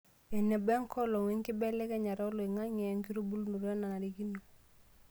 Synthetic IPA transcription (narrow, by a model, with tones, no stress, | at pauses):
ɛ˨nɛ˨bɛ˦ŋkɔ˦lo˨ŋi˦ŋki˦bɛ˦lɛ˦kɛ˦ɲa˨ɾɔ˦lɔ˨i˨ŋa˦ɲɛ˨˦ŋki˦ɾu˦bu˦lnu˨ɾɛ˦na˨na˨ɾi˦ki˦nu˨